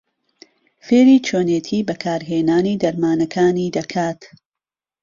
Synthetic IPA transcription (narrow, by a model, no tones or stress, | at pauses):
feːɾiːt͡ʃʰoːneːt̪ʰiːbɐkʰaːɾɦeːnaːniːd̪ɐɾmaːnɐkʰaːniːd̪ɐkʰaːt̪